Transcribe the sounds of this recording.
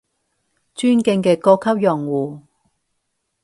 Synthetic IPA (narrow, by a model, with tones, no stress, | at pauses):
t͡ʃyː˥nkɪ˧ŋkɛː˧kɔː˧kʰːɐ˥p̚jœ˨˩ŋwuː˨˩